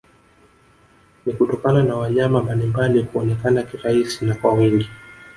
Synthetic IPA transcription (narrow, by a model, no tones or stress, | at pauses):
nikutɔkananawaɲamambalimbalikuɔnɛkanakiɾaisinakwawiŋɡi